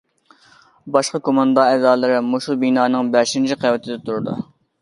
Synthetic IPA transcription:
bɑʃqɑkʰomɑnd̪ɑɛzɑːlˠɨɾɪmoʃulˠbinɑːnɨŋbæɾʃint͡ʃʰiqʰɛwɪt̪ʰɪd̪ɛt̪ʰuɾɨd̪u

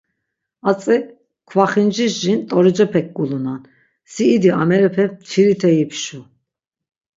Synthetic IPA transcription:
at͡sʼɛ | kʰvaχind͡ʒiʃʒint̪ʼɔɾid͡ʒɛpʰɛk̚ɡulunan | siːd̪ia̰mɛɾɛpʰɛt͡sʰiɾit̪ʰɛipʃu

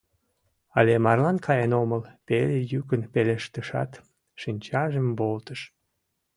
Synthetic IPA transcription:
ɑlemɑrlɑnkʰɑjenoməlpelejykənpeleʃt̪əʃɑ̰t̪ | ʃinʲt͡ɕɑʒəmbolt̪əʃ

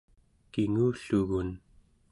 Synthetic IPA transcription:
kiŋuːɬuɣun

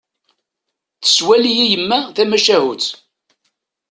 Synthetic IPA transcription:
θə̥swælijijəmːæθæmæʃæhut͡s

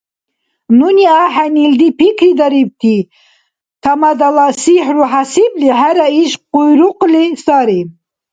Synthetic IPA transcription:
nuniaħanild̪ipʰikʰɾid̪aɾib̚t̪ʰi | t̪ʰamad̪alasiħɾuħasibliɦæɾaiʃqujɾuqlisaɾi

